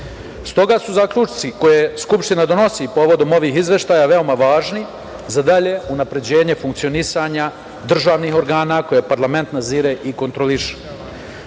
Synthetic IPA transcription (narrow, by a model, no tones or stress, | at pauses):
st̪o̞ɡasuzakʎut͡ʃt̪siko̞jeskupʃt̪inad̪o̞no̞sipo̞ːʋo̞d̪o̞mo̞ʋiːɦizʋe̞ʃt̪aːjaʋe̞o̞maʋaːʒni | zad̪aʎe̞unapɾe̞d͡ʑe̞ːɲe̞fuŋk̚t̪sio̞nisaɲa | d̪r̩ʒaːʋniːɦo̞ɾɡaːnako̞jepaɾlame̞nt̪naziːɾeʔiko̞nt̪ɾo̞liʃe̥